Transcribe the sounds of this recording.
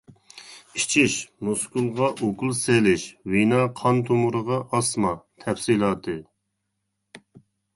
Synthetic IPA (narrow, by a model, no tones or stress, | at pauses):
it͡ʃʰiʃmuskulˠʁɑʔokulˠselɪʃwinɑːqʰɑnt̪ʰumuɾəʁɑʔɑsmɑt̪ʰɛfsilˠɑːt̪ʰɨ